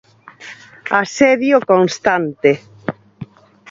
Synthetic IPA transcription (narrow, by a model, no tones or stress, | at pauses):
aseðjokoŋst̪ant̪e